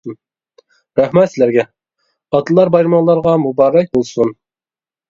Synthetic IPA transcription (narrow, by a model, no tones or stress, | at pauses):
ɾæhmɛt̪sɪlæɾɡʲɛ | ɑt̪ɨlˠɑɾbɑjɾmɑŋlˠɑɾʁɑmubɑːɾɛk̚ʲbolˠsun